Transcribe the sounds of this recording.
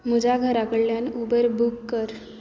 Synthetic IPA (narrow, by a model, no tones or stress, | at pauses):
m̤ud͡ʑʱaɡʱəɾakəɽljanubəɾbukːəɾ